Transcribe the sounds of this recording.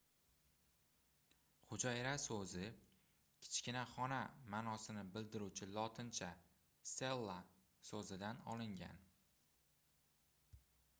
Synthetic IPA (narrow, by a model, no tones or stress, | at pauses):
χʊd͡ʒajɾasɵzɪ | kʲʰɪ̥t͡ʃkʲɪnaχɒnamanɒsɪnɪbɪld̪ɪɾut͡ʃʰɪlˠɒt̪ʰɪnt͡ʃʰa | se̞lˠːa | sozɪd̪anɒ̰lɪŋɡʲa̰n